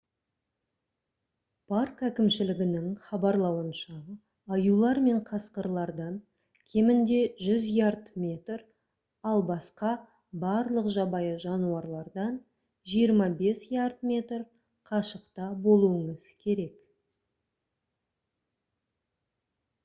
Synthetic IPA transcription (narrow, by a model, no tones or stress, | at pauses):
pʰɑrkækʲɪmʃɪlɪɡʲɪnɪŋχɑbɑɾlˠɑwənʃɑː | julˠɑɾme̞ɴqʰɑsqəɾlˠɑɾd̪ɑn | kʲʰe̞mɪnd̪e̞ʒʏzijart̪mʲe̞t̪r | ɑlˠbɑsqɑ | bɑɾlˠəqʒɑbɑjəʒɑnuɑɾlˠɑɾd̪ɑn | ʒijəɾmɑbe̞siart̪̚mʲe̞t̪r | qʰɑʃəqt̪ɑbo̞lˠuəɴəz̥kʲʰe̞ɾe̞k